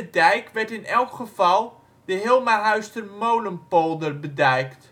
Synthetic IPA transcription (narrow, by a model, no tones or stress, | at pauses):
ədɛjkʋɛɹtɪnɛlˠkχəv̥ɑlˠ | dəɦɪlˠmaɦœɥstəmowləmpolˠdərbədɛjkt